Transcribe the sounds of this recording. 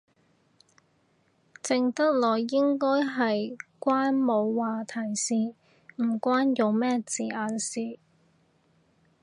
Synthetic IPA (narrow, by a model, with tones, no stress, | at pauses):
t͡sɪ˨ŋt̪ɐ˥k̚lɔː˨˩jːɪ˥ŋkɔː˥jɦɐ˨jkʷaː˥nmo˨˧wwaː˨t̪ʰɐ˨˩jsiː˨˧ | m̩˨˩kʷwaː˥njo˨wmɛː˥t͡siː˨aː˨˧nsiː˨˩